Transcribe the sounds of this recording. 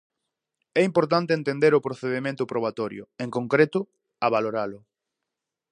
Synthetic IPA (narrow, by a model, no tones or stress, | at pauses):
ɛimpoɾt̪̬ant̪eent̪end̪eɾʊpɾoθeðemẽnt̪ʊpɾoβat̪ɔɾjʊ̰eŋkoŋkɾet̪ʊ | aβaloɾalʊ